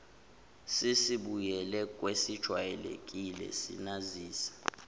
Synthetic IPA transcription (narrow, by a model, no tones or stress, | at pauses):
sisiɓujɛlɛkʼwesid̥ʒ̥ʱwajɛlḛkʼilɛ̰sḭnaziːsḁ